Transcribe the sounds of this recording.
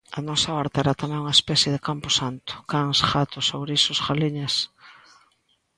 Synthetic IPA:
ɐnɔsaɔɾt̪ɛɾat̪amɛ̃ŋuŋaespɛθjɪðɪkampʊsant̪ʊ̥kaŋsxat̪ʊsowβɾisʊsɣaliɲas

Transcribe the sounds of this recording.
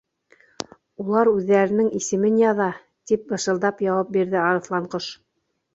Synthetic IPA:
ulˠɑɾʉðːæɾɘ̆nɘŋisɘ̆mɘnjɑðɑ | t̪ip̚bɤ̆ʃɤ̆lˠd̪ɑpjɑwɑp̚biɾðɘɑɾɤ̆θlˠɑɴqɤʃ

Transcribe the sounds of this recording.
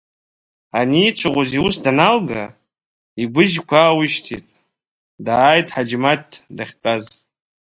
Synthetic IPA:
anit͡ʃʷʰaʁʷoziusdanalɡa | iɡʷʊʒkʷʰawʊʃtʰitʼ | daːjtʰʼħad͡ʒmatʰːdaχʲtʼaz

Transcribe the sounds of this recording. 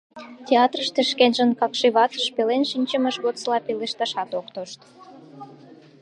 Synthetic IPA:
tʲeɑt̪rəʃt̪eʃkenʒə̆nkɑkʃiβɑt͡s̪əʃpelenʃinʲt͡ɕəmə̆ʃɣot̪t͡slɑpeleʃt̪ɑʃɑt̪okt̪oʃt̪

